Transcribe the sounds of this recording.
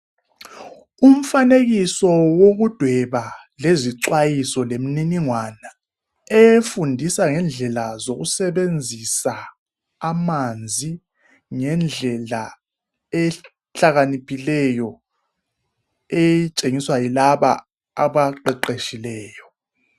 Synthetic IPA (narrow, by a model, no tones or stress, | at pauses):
um̩faneɣisɔwoɣud̥ʱwɛβa | leziǀwajisɔlem̩niniŋwana | ɛfundʱisaŋɛnd͡ɮʱɛlazoɣusɛɓend͡zʱisaː | mand͡zʱi | ŋɛnd͡ɮʱɛla | ɛ | ɬaɣanipʰilɛjɔ | ɛt͡ʃʼeŋiswajilaɓa̰ː | βaǃɛǃeʃilɛːjɔ